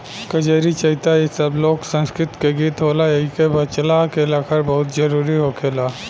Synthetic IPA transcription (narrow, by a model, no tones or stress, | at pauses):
kɐd͡ʒeːɾit͡ʃɐɦit̪ajisəbloːksə̃nskɾɪt̪keɡiːt̪ɦoːlajeɦikebɐt͡ʃlakelaːkʰəɾbɐɦʊt̪d͡ʒɐɾuːɾiɦokʰeːlaː